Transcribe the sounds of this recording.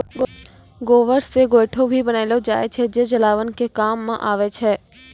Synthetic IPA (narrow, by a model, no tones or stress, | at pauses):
ɡoːʋəɾseɡoːɪʈʰobʱibənaːɪlod͡ʒa̰ːet͡ʃʰed͡ʒeːd͡ʒəlaːʋənkekaːmːãʔaːʋet͡ʃʰɛː